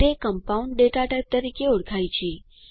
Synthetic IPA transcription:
ekəmpauɳɖɖeʈaʈajp̚t̪əɾikeoɽkʰajt͡ʃʰe

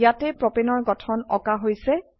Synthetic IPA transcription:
jatɛpɹɔpenɔɹɡɔtʰɔnɔkaɦojsɛ

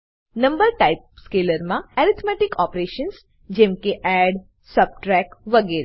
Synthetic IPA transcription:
nɐmbəɾʈaip̚skeləɾmãɛɾit̪ʰmɛʈikɔːpɾeʃəns | d͡ʒẽmkeʔɛɖ | səb̚ʈɾɛkʋəɡeɾe

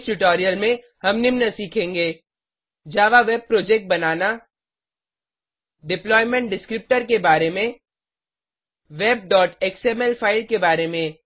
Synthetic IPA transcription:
sʈʊʈɔːɾijəlmẽ | hɐmnɪmnɐsiːkʰẽːŋɡeː | d͡ʒaːʋaʋeːb̚pɾoːd͡ʒek̚ʈ̚bɐnaːna | ɖɪplɔːɪmẽɳʈ̚ɖɪskɾɪp̚ʈəɾkebaːɾemẽ | ʋeːb̚ɖɔːʈeːksemɛlpʰaːɪlkebaːɾemẽ

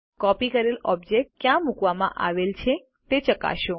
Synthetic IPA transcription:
kɔpikəɾelɔb̚d͡ʒek̚ʈkjãmukʋamãʔa̰ʋelt͡ʃʰe | t̪et͡ʃəka̰ʃõ

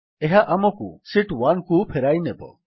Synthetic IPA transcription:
eɦaʔamɔkṵsiʈwankupʰeɾajnebɔ̰

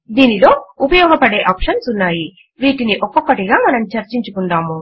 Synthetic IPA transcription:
d̪iːnilo̞ːupɐjɔːɡɐpɐɽe̞ːʔaːpʂɐnsunːaːji | ʋiːʈiniʔɔkːɔkːɐʈiɡaːmɐnɐmt͡ʃɐɾt͡ʃiɲt͡ʃukunɖaːmu

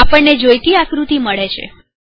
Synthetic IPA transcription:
apəɳned͡ʒojt̪iakɾut̪iməɭet͡ʃʰḛ

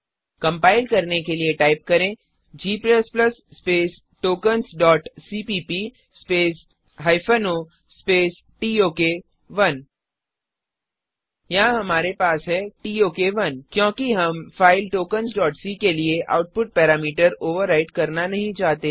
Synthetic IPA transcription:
kɐ̃mpaːɪlkɐɾnekelieʈaːɪp̚kɐɾẽː | d͡ʒiːplɛspləsːpeːs | ʈoːkənsɖɔːʈsipiːpi | speːs | ɦaːɪfʰəno | speːs | ʈiːoːke | ʋɐn | jãɦɐmaːɾepaːsɦɛʈiːoːkeʋɐnkjõːkiɦɐmfaːɪlʈoːkənsɖɔːʈsikelieʔa̰ːʊʈ̚pʊʈ̚pɛːɾaːmiːʈəɾoːʋəɾːaɪʈkɐɾnanɐɦĩt͡ʃaːɦt̪e

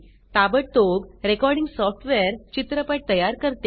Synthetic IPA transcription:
t̪abəʈ̚t̪oɡɾekɔɾɽiŋɡsɔfʈʰʋɛɾt͡ɕit̪ɾəpaʈ̚t̪əjaɾkəɾt̪e

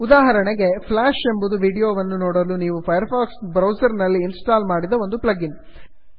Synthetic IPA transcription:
ud̪aːɦɐɾɐɳeɡe̞pʰlaːʃe̞mbud̪uʋiːɽijoːʋɐnːunoːɽɐluniːʋupʰɐjɐɾpʰaːksbɾɐwsɐɾnɐlːiːnsʈaːlmaːɽid̪ɐʋo̞nd̪uplɐɡin

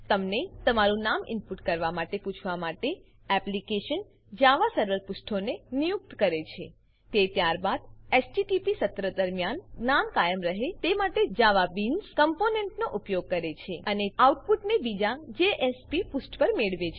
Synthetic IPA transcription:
t̪əmnet̪əmaɾũnamɪ̰mpuʈkəɾʋamaʈeput͡ʃʰʋamaʈe | ɛplikeʃən | d͡ʒaʋasəɾʋəɾpusʈʰonenijuk̚t̪kəɾet͡ʃʰḛ | t̪et̪jaɾbad̪esʈiʈipisət̪ɾəd̪əɾmjanːamkajəmɾəɦet̪emaʈed͡ʒaʋabinskəmponeɳʈnoʔupjoɡ̚kəɾet͡ʃʰeəneauʈ̚puʈnebid͡ʒad͡ʒeʔespipusʈpəɾmeɭʋet͡ʃʰe

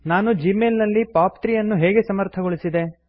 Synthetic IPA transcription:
naːnud͡ʒiːmeːlnɐlːipaːpt̪ɾijɐnːuɦeːɡe̞sɐmɐɾt̪ʰɐɡoɭisid̪e̞

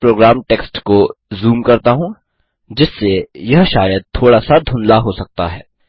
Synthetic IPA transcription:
pɾoːɡɾaːmʈeːksʈkozuːmkɐɾt̪aɦũː | d͡ʒɪsːejɐɦʃaːjəd̪̚t̪ʰoːɽasad̪ʱʊ̃nlaɦosɐk̚t̪a̰ɦɛː

